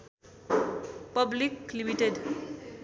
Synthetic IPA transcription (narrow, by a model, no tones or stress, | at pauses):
pʌbliklimiʈeɖ